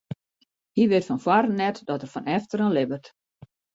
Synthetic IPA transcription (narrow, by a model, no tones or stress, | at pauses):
hiʋɪtfɔnfwarənɛtdɔtərfɔnɛftəɾənlɪbərt